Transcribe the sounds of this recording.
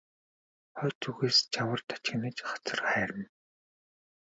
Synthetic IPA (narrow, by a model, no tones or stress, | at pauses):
χœːt͡suɣeːst͡ɕʰawə̆rt̪ʰḁt͡ɕɪ̆nə̆ːt͡ɕχɔ̥t͡sɞ̆rχæːɾə̆n